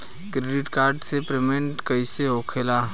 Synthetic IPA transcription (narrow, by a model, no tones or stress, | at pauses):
kɾeːɖɪʈkaːɾɖsepɾemẽɳʈkəɪseokʰelaː